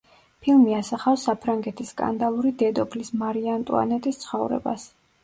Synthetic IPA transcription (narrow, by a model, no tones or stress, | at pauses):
pʰilˠmiasaχafsapʰɾaŋɡɛt̪ʰisːkʼa̰nd̪alˠuɾid̪ɛd̪ɔpʰlismaɾiant̪ʼṵa̰nɛt̪ʼist̪sʰχɔvɾɛ̰ba̰s